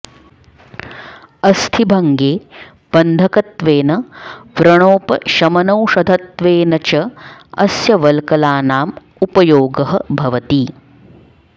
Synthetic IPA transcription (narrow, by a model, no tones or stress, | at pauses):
ɐst̪ʰibʱɐŋɡeː | b̥ɐnd̪ʱɐkɐt̪ʋeːnɐʋɾɐɳ̃oːpɐʃɐmɐnɐwʃɐd̪ʱɐt̪ʋeːnɐt͡ʃɐɐsjɐʋɐlkɐlaːnaːm | upɐjoːɡɐɦɐbʱɐʋɐt̪i